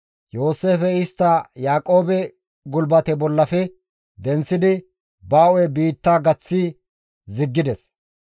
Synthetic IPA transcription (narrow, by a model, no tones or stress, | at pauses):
jo̞ːse̞ːfɛɪst̪ːɐjaːkʼo̞ːbɛ | ɡʊlbɐt̪ɛbɔlːɐfɛ | d̪ɛnsːɪd̪ɪ | baːʔɔɛbiːt̪ːaːɡɐt͡sːi | zɪɡːɪd̪ɛs